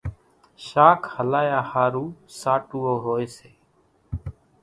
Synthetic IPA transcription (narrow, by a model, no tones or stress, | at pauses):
ʃaːkʰhəlaːjaːhaːɾuːsaːʈuːoːɦoːeːseː